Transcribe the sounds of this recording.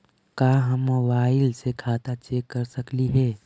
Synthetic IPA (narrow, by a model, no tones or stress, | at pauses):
kaːɦəmːobaːɪlsekʰaːt̪at͡ʃeːkːɐɾsəkliɦɛː